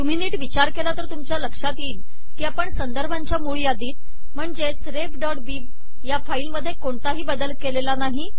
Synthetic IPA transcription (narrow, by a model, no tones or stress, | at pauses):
jum̤iːniːʈʋit͡ɕaɾkelat̪əɾt̪umt͡ɕjaləkʂat̪iːl | kiːapəɳsənd̪əɾbʱaɲt͡ɕjamuɭjad̪iːt̪̚ | m̤əɳd͡zet͡sɾepɖɔʈ̚biː | jafailməd̪ʱːjekoɳt̪aɦiːbəd̪əlkelelanaɦi